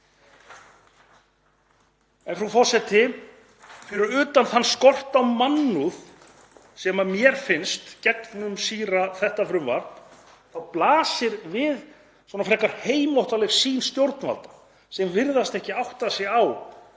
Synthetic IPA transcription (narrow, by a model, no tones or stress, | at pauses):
ɛnfɾafɔsɛt̪ɪ | fɪɾɪɾʏːt̪anθanːskɔr̥t̪awmanːuð | sɛmamjɛɾ̥fɪnst̪cɛknʏmsiːɾaθɛht̪afɾʏmva̰ɾn | θawplaːsɪɾvɪð | sɔnafɾɛːkaɾ̥heːjmowht̪alɛfsiːnst̪jowɾt̪nva̰lt̪ḁ | sɛmvɪɾðast̪ɛhcɪawht̪asɛaw